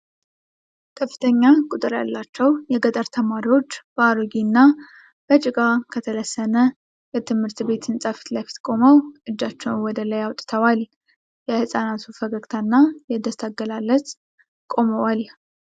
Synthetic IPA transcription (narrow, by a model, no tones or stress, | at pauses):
kʰəfːɨ̥t̪ʰəɲːakʼut̪ʼɨɾja̰lːat͡ʃːɛwjɛɡət̪ʼəɾt̪ʰəmaɾiwo̞t͡ʃːb̥aɾoɡinːa | b̥ət͡ʃʼɪkʼakʰət̪ʰələsːənə | jɛt̪ʰɨmhɨɾt̪be̞t̪ʰɨnsʼafi̥t̪lajfi̥t̪kʼo̞məwʔɨd͡ʒːat͡ʃːɛwnwɔd̪ələjawt̪ʼt̪ʰəwal | jɛhɨsʼanat̪ʰufəɡəɡt̪ʰanːajɛd̪əst̪ʰaɡəlalːət̪ | kʼo̞məwal